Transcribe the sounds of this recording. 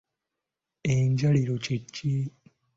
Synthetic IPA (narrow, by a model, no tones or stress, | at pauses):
eɲɟaliɾo̞cecʰːi